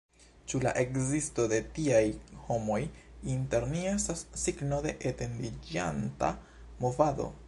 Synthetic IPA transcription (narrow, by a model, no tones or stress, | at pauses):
t͡ʃula̰ʔe̞kzisto̞de̞tiajho̞mo̞jinteɾniestasːiɡno̞de̞ʔete̞ndid͡ʒa̰nta̰ | mo̞vad̪o̞̰